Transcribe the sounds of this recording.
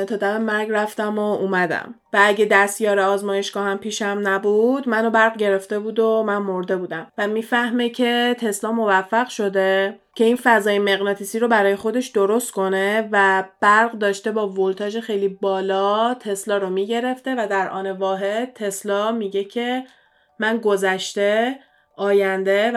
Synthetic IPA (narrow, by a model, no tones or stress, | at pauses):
t̪ʰɒːd̪æmemæɾɡræft̪æmoumæd̪æ̰m | vææɟe̞d̪æst̪jɒːɾeɒːzmɒːje̞ʃɡ̥ɒːhæmpʰiːʃæmnæbud̪mæno̞bæɾʁɟe̞ɾe̞ft̪e̞buːd̪omænmoɾd̪e̞buːd̪æmvæmiːfæhme̞cʰe̞t̪ʰe̞slɒːmo̞væfːæɣʃo̞d̪e̞ | cʰe̞infæzɒːjemeɣnɒːt̪ʰisiɾobæɾɒːje̞xo̞d̪eʃd̪oɾo̞st̪̚kʰo̞ne̞væb̥æɾɢd̪ɒːʃt̪e̞bɒːvolt̪ʰɒːd͡ʒexejlibɒːlɒt̪ʰe̞slɒːɾomiɟe̞ɾe̞ft̪e̞væd̪æɾʔɒ̰ːne̞vɒːɦe̞d̪̥̚t̪ʰe̞slɒmiɟe̞cʰe̞ | mænɡo̞zæʃt̪e̞ | ʔɒːjænd̪e̞